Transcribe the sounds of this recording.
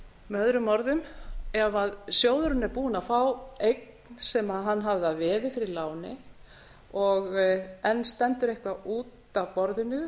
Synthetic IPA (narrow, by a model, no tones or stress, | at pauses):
mœðɾʏmɔɾðʏmɛvaðsjoːwðʏɾʏnɛɾpuːnafawejk̚nsɛmaðɦanːɦavðɪaðvɛːðɪfɪɾɪlaːwnɪ̰ | ɔɣɛnːst̪ɛnt̪ʏɾehkvaʔuːt̪avpɔɾðɪnʏ